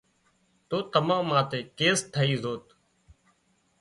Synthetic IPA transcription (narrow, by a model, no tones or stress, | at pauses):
t̪oːt̪əmãːmãːt̪eːkeːst̪ʰəiːzoːt̪